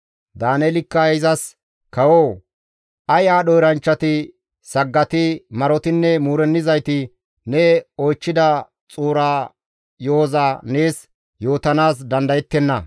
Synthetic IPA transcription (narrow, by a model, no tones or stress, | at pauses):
d̪aːnɛlɪkːɐɪzɐs | kɐwoː | ʔɐjaːɗɔjɾɐnt͡ʃːɐt̪ɪ | sɐɡːɐt̪ɪmɐɾɔt̪ɪnːɛmuːɾɛnːɪzɐjt̪ɪ | nɛojt͡ʃːɪd̪ɐ | t͡sʼuːɾaː | joːzaːneːs | jo̞ːt̪ɐnaːs̬d̪ɐnd̪ɐjɛt̪ːɛnːɐ